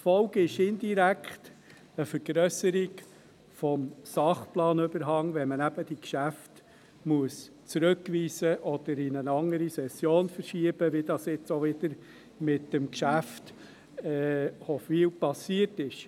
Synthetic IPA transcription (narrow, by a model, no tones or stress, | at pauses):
fɔwɡɪʃɪnd̪iɾækχt | əfəɾɡ̥ɾœsəɾɪɡ | fɔmsɑχplɑːnʏbəɾɦɑŋʋɛnmənæb̥əd̥ikʃæft | muəs | t͡sɾɵkʋiːsəʔɔd̪̥əɾɪnənɑŋəɾisɛsːjoːnfəɾʃiəb̥əʋid̪ɑsɪt͡sɔʋɪd̪əɾ | mɪtːəmkʃæft | ɛhɔfiːlpɑsiətɪʃ